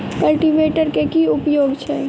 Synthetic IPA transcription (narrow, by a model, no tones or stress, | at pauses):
kəlʈibeʈəɾkekiupjoːɡt͡ʃʰɛ